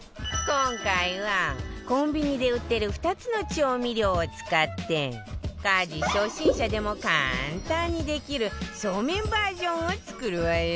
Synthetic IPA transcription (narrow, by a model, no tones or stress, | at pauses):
kõ̞ŋkaiβakõ̞mbʲiɲ̟id̪e̞ɯ̟t̪ːe̞ɾɯ̟ɸɯ̥t̪at͡sɨno̞t͡ɕo̞ːmʲiɾʲjo̞ːt͡sɨ̥kat̪ːe̞kaːd͡ʑiɕo̞ːɕĩɰ̃ɕad̪e̞mo̞ka̰nt̪ãɲ̟ːid̪e̞kʲiɾɯ̟ɕo̞ːmẽ̞mbaːʑõ̞ɰ̃ot͡sɨ̥kɯ̟ɾɯ̟βae